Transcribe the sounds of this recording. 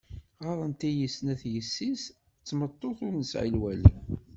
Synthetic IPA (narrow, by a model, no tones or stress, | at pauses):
ʁɑɾˤənt̪æjəsnæθjəsːis | t͡sːmət̪ˤːoθʊɾnəsʕḭlwælḭ